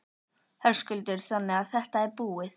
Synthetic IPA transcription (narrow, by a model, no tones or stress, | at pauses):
hɛɾ̥skʏlt̪ɪɾ̥θanːɪaðθɛht̪aɛɾpuːɪð